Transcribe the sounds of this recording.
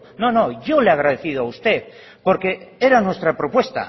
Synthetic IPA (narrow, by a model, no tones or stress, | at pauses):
no̞no̞ʝoleaɣ̞ɾað̞eθiðoaust̪e̞θ | poɾke̞eɾanwe̞st̪ɾapɾo̞pwe̞st̪a̰